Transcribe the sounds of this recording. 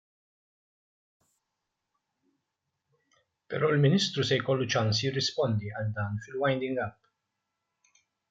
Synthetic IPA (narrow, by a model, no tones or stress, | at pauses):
pɛ̰ɾɔːɪlmɪnɪːst̪ɾusɛjkɔlːut͡ʃɐnsjɪrːɪspɔnd̪iɐld̪ɐːnfɪlwɐjnd̪ɪŋɡɐpː